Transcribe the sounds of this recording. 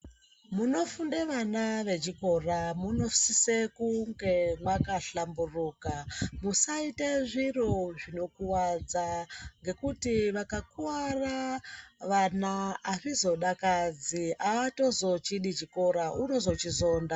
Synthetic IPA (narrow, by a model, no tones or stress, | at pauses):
muno̞fundeʋanaʋe̞t͡ʃiko̞ramuno̞sisekuŋɡe̞mwakaɬamburuːkamusaiteʐiroʐino̞kuwad͡zaŋɡe̞kutiʋakakuwara | ʋanaːʐizo̞ɗakad͡ziaato̞zo̞t͡ʃiɗit͡ʃiko̞ɾaʔuno̞zo̞t͡ʃizo̞ːnda